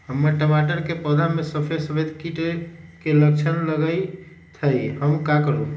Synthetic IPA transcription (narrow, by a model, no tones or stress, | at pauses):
ɦəmːəɾʈəmaʈəɾkepəd̪ʱamesəpʰesəbed̪ʱkiʈekelək̚t͡ʃʰənləɡəj | t̪ʰəjɦəmkakəɾu